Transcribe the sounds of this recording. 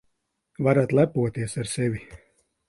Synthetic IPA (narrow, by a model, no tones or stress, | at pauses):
vaɾat̪lˠæpuɔt̪iɛsaɾsɛvʲi